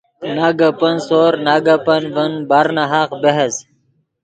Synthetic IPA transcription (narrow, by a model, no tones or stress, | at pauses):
naːɡapɐnsoːɾnaːɡapɐnʋənbaɾnaɦaqbeɦɐs